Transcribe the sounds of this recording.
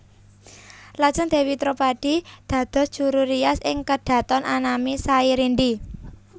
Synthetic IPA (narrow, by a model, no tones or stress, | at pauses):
lḁʒ̥ənd̪̥e̤wit̪ɾopaɖ̥i̤d̪̥ä̤d̪̥ɔ̤sdʒ̥ṳɾuɾijasɪŋkəd̥ä̤t̪ɔnʔanamisaiɾindi